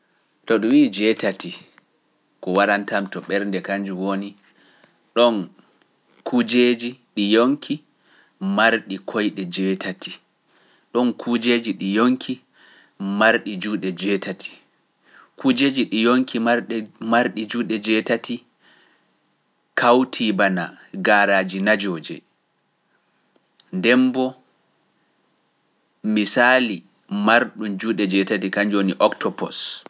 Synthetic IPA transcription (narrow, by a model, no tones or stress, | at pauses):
tɔɗɔwiːd͡ʒɛtati | kɔwaɾantamtɔɓɛɾndɛkaɲd͡ʒuwoni | ɗɔn | kʰud͡ʒeːd͡ʒiɗijoŋkʰi | maɾɗikʰojɗɛd͡ʒɛːtʰatʰi | ɗɔnkʰud͡ʒeːd͡ʒiɗijoŋkʰi | maɾɗid͡ʒuːɗɛd͡ʒɛtʰatʰi̥ | kʰud͡ʒeːd͡ʒiɗijoŋkʰimaɾmaɾɗid͡ʒuːɗɛd͡ʒɛtati | kʰawtʰibana̰ɡaːɾaːd͡ʒinad͡ʒɔːd͡ʒɛ̰ | ndɛmbɔ | misali | maɾɗumd͡ʒuːɗɛd͡ʒɛtatikaɲd͡ʒoːniʔɔktɔpɔs